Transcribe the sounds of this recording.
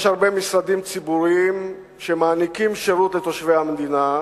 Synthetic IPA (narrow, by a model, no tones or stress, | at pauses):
jʃhaʁbemisɾad̪imt͡sibuɾiim | ʃe̞maːnikimʃeɾut̪let̪oʃvejhamed̪ina